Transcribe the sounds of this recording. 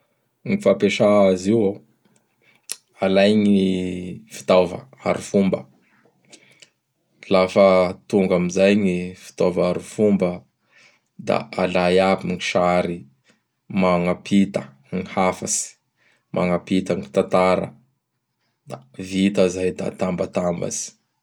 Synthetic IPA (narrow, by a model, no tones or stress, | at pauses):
ŋifapeʃaaziwo | alajŋiifi̥t̪avə̰a̰ɾifumbə̰ | lafət̪uŋɡamizajɲifi̥t̪ovaɾifumbə | d̪a̰alajapiŋiʃaɾi | maŋapʰit̪ə | ŋihafasi̥ | mʔa̰ŋapit̪əŋit̪at̪aɾə̰ | d̪avit̪əzajd̪a̰t̪ambat̪amba̰si̥